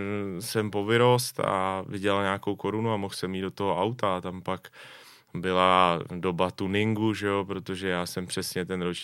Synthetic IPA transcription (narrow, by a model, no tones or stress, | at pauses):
sɛmpo̞vɪɾo̞st̪a̰vɪɟɛlɲaːko̞wko̞ɾunuamoxsɛmjiːd̪dot̪oɦoʔawt̪aːt̪ampak | bɪlado̞bat̪unɪŋɡuʒɛjo̞pɾo̞t̪oʒɛjaːsɛmpr̝̥ɛsɲɛt̪ɛnɾot͡ʃ